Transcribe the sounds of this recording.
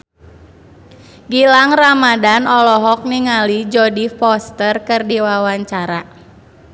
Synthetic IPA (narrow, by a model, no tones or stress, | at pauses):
ɡilaŋramadanɔlɔɦɔk̚niŋalid͡ʒɔdifɔst̪ərkɨrdiwawaɲt͡ʃaɾa